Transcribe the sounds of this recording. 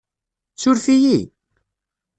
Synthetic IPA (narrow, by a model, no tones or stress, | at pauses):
t͡sʊɾfiji